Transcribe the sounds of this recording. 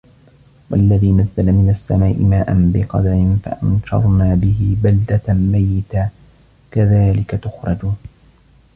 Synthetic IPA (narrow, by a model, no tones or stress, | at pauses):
wa̰lːaðiːnaðːalamɪnasːamaːʔɪmaːʔanbɪqɑ̰d̪aɾɪnfa̰ʔanʃɑ̰ɾˤnaːbɪɦɪbald̪amajːɪt̪a | kaðaːlɪkat̪ʊxɾˤɑd͡ʒuːn